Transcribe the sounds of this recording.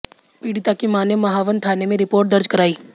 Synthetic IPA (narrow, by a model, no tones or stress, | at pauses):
piːɽit̪akimaːnjemɐɦaːʋənt̪ʰaːnemẽɾɪpoːɾʈ̚d̪əɾd͡ʒkɐɾaːiː